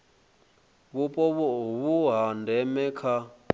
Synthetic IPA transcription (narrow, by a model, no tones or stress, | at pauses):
βupʼɔβuɦandʱɛmɛkʰa